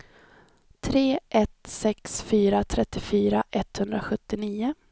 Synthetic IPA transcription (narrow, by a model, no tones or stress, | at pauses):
t̪ʰɾeːʔɛt̪sɛksfyːɾat̪ʰɾɛt̪ːɪfyːɾaʔɛt̪ːhɵnd̪ɾaɧɵt̪ːɪniːʊ